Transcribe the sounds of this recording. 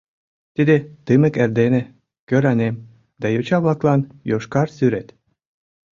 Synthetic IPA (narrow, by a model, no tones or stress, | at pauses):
t̪id̪et̪ɨmə̆kerd̪enĕ | køɾɑnem | d̪ɑjot͡ɕɑβlɑklɑnjoʃkɑrsyɾet̪